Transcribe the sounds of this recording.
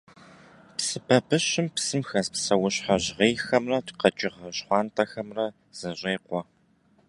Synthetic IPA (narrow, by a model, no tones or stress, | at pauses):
psɨbʰɐbɨɕɪmpsɨmxɐzpsɐwʊɕħɐʑʁeːxɐmrɐtqɐt͡ʃʼɪʁɐɕχʷɑːntʰʼɐxɐmrɐ | z̥ɐɕʼeːqʷɔ